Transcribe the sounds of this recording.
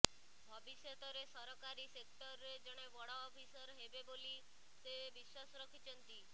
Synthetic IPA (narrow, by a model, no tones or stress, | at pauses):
bʱɔbisjɔt̪ɔɾesɔɾɔkaɾisek̚ʈɔɾɾed͡ʒɔɽ̃eʋɔɽɔːpʰisɔɾɦebeboli | sebiswasɔɾɔkʰit͡ʃʰɔnt̪i